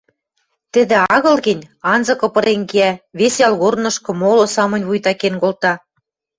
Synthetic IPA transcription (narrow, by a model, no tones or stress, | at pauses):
t̪ɘ̆d̪ĕɑɣɤ̆lɣɘ̆nʲɑnzɤ̆kɤ̆pɤ̆ɾeŋkeæβesjɑlɣornɤ̆ʃkɤ̆molŏsɑmɤ̆nʲβujt̪ɑkenkolt̪ɑ